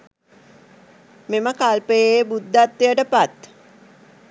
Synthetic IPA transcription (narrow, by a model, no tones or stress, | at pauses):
meməkalpəjejbud̪ːat̪ːijəʈəpat̪